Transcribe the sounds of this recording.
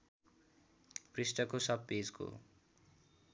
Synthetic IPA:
prisʈʌkosʌb̚ːed͡zko̰

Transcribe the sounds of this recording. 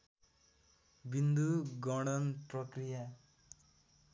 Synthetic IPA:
bind̪uɡɔɽ̃ɔnpɾɔkɾija

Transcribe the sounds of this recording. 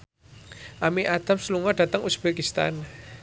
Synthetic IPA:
ʔamiʔad̪̥a̤psluŋɔɖa̤t̪əŋusb̥ekist̪a̰n

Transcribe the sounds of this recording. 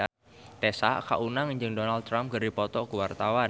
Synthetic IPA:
t̪esa̰ka̰ʔunaŋɲd͡ʒɨŋdɔnald̪t̪ːɾampɡəɾipɔt̪ɔkuwart̪awa

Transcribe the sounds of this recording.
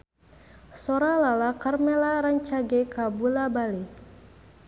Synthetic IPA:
sɔɾalalakarmɛlaɾaɲt͡ʃaɡɛkabulabali

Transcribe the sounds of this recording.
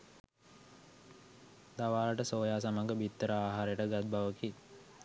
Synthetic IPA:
d̪aʋaːləʈəsoːjaːsaməŋɡəbit̪ːəɾəaːɦaːɾəjəʈəɡat̪̚baʋəki

